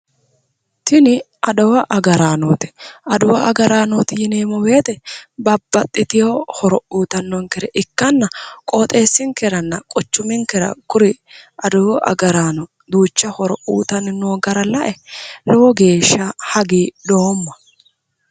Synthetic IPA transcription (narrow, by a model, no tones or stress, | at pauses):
t̪ʰɪnɪ | ɐd̪ɔwɐʔɐɡɐɾaːnoːt̪ɪ̥ɐd̪ʊwɐʔɐɡɐɾaːnot̪ɪjɪneːmɔwe̞ːt̪ɛbɐbːɐt̪ʼːɪt̪ɪjohɔɾɔʔuːt̪ɐnːɔŋkɛɾɛʔɪkːɐnːɐkʼoːt̪ʼe̞ːsːɪŋkɛɾɐnːɐkʼɔt͡ʃːʊmɪŋkɛɾɐ̰kʊɾɪ | ʔɐd̪ɔwɔʔɐ̰ɡɐɾaːnɔ | d̪uːt͡ʃːɐhɔɾɔʔṵːt̪ɐnɪnːoːɡɐɾɐlɐʔɛlɔwɔɡe̞ːʃːɐhɐɡiːd̪oːmːɐ̥